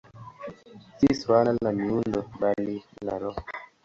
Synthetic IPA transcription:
tiswanallamiundobalilaɾɔ

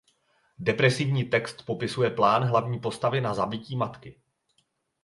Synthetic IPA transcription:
dɛpɾɛsɪvɲiːt̪ɛkst̪po̞pɪsujɛplaːnɦlavɲiːpo̞st̪avɪnazabɪciːmat̪kɪ

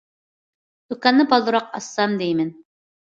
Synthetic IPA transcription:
d̪̥ukɑnːɨbɑlˠːuɾɑq̚ɑsːɑmd̪ejmɪn

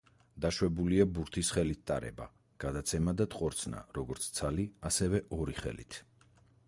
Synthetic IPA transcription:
d̪̥aʃwɛbuliabuɾt̪ʰisχɛlit̪̚t̪ʼa̰ɾɛ̰ba̰ | ɡ̥ad̪at̪sʰɛmad̪at̪ʼqʼɔɾt̪sʰna̰ɾɔɡɔɾt̪sʰt̪sʰaliasɛvɛʔɔɾiχɛ̰lḭt̪ʰ

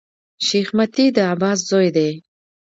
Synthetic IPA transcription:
ʃixmat̪id̪əabɑːs̬zojd̪e

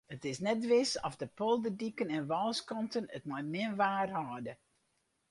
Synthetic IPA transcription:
ətɪsnɛtʋɪsɔfdəpolˠdədikənɛnʋɔlˠskɔntənətmɔjmɪnʋaːrhɔːdə

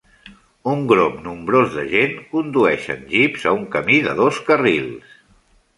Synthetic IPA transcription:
uŋɡɾomnumbɾozðəʒeŋkund̪uɛʃə̰nʒipzəuŋkəmiðəðoskərilˠs

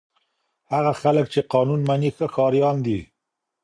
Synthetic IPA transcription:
haɣaxaləkt͡ʃeqɑnunmanixəxɑɾjɑnd̪i

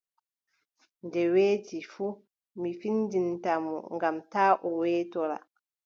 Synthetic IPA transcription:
ndɛweːtifu | mifindintamɔ̰ŋɡamtaːʔɔwɛːtɔɾa̰

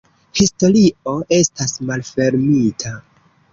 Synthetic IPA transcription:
histo̞ɾio̞ʔe̞stasmalfe̞ɾmitʰa

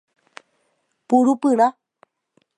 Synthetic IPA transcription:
puɺupɨɺa

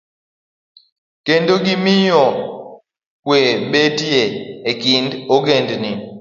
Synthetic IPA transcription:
kendoɡimijɔ | kweɓetieekindoɡendni

